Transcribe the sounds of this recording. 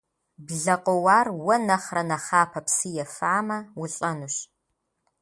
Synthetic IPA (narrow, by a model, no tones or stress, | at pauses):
bɮɐqʷʼɔwaːrwɐnɐχrɐnɐχaːpʰɐpsɨjɛfaːmɐwʊɬʼɐnuɕ